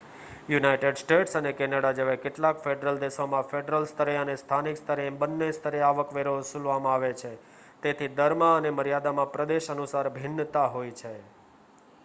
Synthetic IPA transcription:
junajʈeɖsʈeʈsənekɛnaɽad͡ʒeʋakeʈlãkfeɖɾəld̪eʃomãfeɖɾəlst̪ʰəɾeənest̪ʰanikst̪ʰəɾebənːest̪ʰəɾeaʋəkʋeɾosulʋamãaʋet͡ʃʰe | t̪et̪ʰid̪əɾmãəneməɾjad̪amãpɾəd̪eʃənusaɾbʱɪnːt̪aɦojt͡ʃʰe

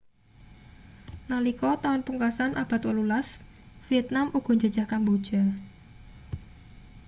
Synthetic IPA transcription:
nalikɔt̪aʊnpuŋkasanʔab̥a̤t̪wəlulas | fiɛt̪̚namuɡ̥ɔ̤ɲd͡ʒəd̥d͡ʒ̥a̤hkanbod̥ʒ̥a

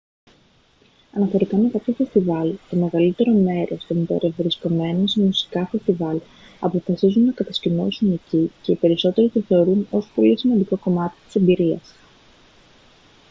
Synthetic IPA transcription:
ɐnɐθeoɾikɐme̞kɐpçofe̞st̪ivɐlt̪o̞me̞ɣɐlit̪e̞ɾo̞me̞ɾo̞st̪ombe̞̰ɾevɾisko̞me̞nosemusi̥kɐfe̞st̪ivɐl | ɐpo̞fɐsizunːɐkɐt̪ɐscino̞̰sune̞cice̞ipe̞ɾiso̞t̪e̞ɾit̪oθe̞o̞ɾuno̞so̥po̞lisimɐnd̪iko̞ko̞mɐt̪i̥t̪i̥sembiɾiɐ̰s

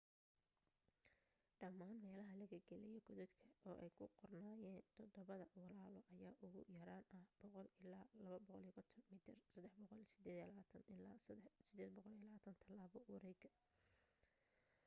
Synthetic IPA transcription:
ɖɐmːaːnmɛːlɐɦɐlɐɣɐɡɛlɛjɔɡɔðɛd̪kʰɐɔːʔɛjkʰʊqɔrnaːjɛːnt̪ʰɔd̪ɔβɐðɐwɑlaːlɔʔɐjaːʔʊɣʊ̰jɐɾaːnɐhb̥ɔqɔlɪlaːlɐβɐbɔqɔliɣɔt̪ʰɔnmiːt̪ʰɪrsɐd̪ːɛħbɔqɔlsɪd̪ɛːd̪laːt̪ʰɐnɪlasɪd̪ɛːd̪bɔqɔlilaːt̪ʰɐnt̪ʰɐlaːβɔwɑɾɛjɡɐ

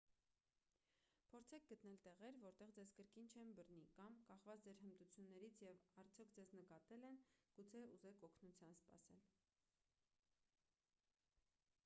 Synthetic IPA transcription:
pʰɔɾt͡sʰɛk̚ɡət̪nɛlt̪ɛʁɛɾvɔɾt̪ɛʁd͡zɛzkəɾkint͡ʃʰɛnbərnikɑmkɑχvɑt͡sʰd͡zɛɾhənd̪ut͡sʰjunːɛɾit͡sʰjɛvɑɾt͡sʰjɔkʰd͡zɛznəkɑt̪ɛlɛnɡ̥ut͡sʰɛuzɛkʰɔkʰnut͡sʰjɑnspɑ̰sɛ̰l

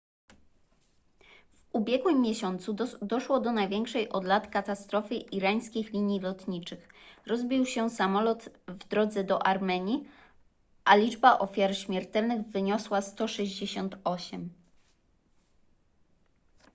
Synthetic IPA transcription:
vubʲjɛɡwɘmːjɛɕɔnt̪sud̪ɔʂwɔd̪ɔnajvʲjɛŋkʂɛjʔɔd̪lat̪kat̪ast̪ɾɔfɘʔiɾaj̃skʲixlʲiɲjilɔt̪ɲit͡ʂɘxɾɔzbʲiwɕɛsamɔlɔt̪vd̪ɾɔd̪zɛd̪ɔʔaɾmɛɲi | ʔalʲid͡ʐbaʔɔfʲjaɾɕmʲjɛɾt̪ɛlnɘɣvɘɲɔswast̪ɔʂɛʑd͡ʑeɕɔnt̪ɔɕɛm

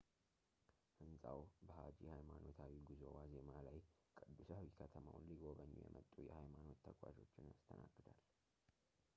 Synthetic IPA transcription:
hɨnsʼawbəhad͡ʒihajmano̞t̪ʰawiɡɨzowaze̞malaj | kʼɨd̪ːusawikʰət̪ʰəmawnliɡo̞βəɲːṵjɛ̰mət̪ʼːujɛhajmano̞t̪ːʰəkʼwaʒo̞t͡ʃːɪnast̪ʰənaɡːɨd̪al

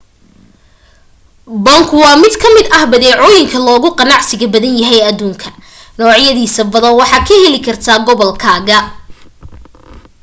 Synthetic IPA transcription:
bɐŋkʰʊwɑːmɪd̪kʰɐmɪd̪ɐhbɐðɛːʕɔːjɪŋkʰɐlɔːɣʊqɑnɑʕsɪɣɐbɐðɐnjɐɦɛjɐðuːŋkʰɐ̥ | nɔːʕjɐðiːsɐbɐðɐnwɑħɑːkʰɐhɛlɪkʰɐrt̪ʰaːɡɔβɔlkʰaːɣɐ

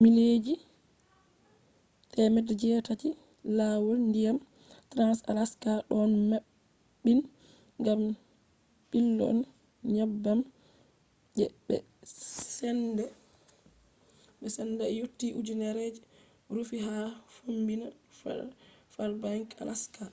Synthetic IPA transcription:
miled͡ʒi | tɛmɛdɛd͡ʒɛtati | laːwɔlndijam | tɾansa̰laskaɗɔnmaː | in | ŋɡam | ɓilːɔ̰n | ɲabːam | d͡ʒɛ̰ɓɛ̰ | sɛndɛ | ɓɛsɛnːdɛjotːiʔud͡ʒunɛɾed͡ʒi | ɾufiɦafombinaffalbaŋka̰lʔaska

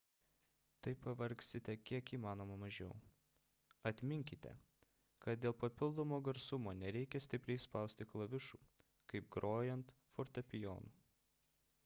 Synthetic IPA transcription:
t̪ɐɪpɐʋɐɾʲksʲɪt̪ʲɛkʲiɛkiːmɑːnoːmɐmɐʒʲɛ̰ʊ | ɐt̪ʲmʲɪŋʲkʲɪt̪ʲɛ̰ | kɐt̪̚d̪ʲeːlˠpɐpʲɪlˠd̪oːmoːɡɐɾsʊmoːnʲɛɾʲɛɪkʲɛsʲt̪ʲɪpʲɾʲɛɪspɐˑʊsʲt̪ʲɪklˠɐʋʲɪʃuː | kɐɪp̚ɡɾoːjɛnt̪ | foɾt̪ɐpʲɪjo̰ːnuː

